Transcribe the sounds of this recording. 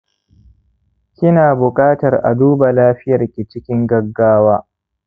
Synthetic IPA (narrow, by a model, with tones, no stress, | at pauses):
kʲɪ˦naː˨bʊ˨kʼaː˦tɐ˨rʔa̰˨duː˦ba˨laː˦ɸɪ˦jɐ˨rkʲi˨t͡ʃɪ˦kʲɪ˦ŋɡɐ˦ɡːaː˦waː˦